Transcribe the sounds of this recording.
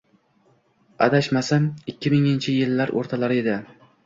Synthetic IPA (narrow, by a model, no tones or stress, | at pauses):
a̰d̪aʃmasamɪkʲʰːɪmɪŋɪnt͡ʃʰɪjɪlːaɾʔo̰ɾt̪ʰalaɾɪe̞d̪ɪ